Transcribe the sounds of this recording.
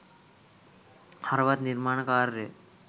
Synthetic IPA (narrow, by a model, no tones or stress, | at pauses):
haɾʋat̪niɾmaɳ̃kaɾːe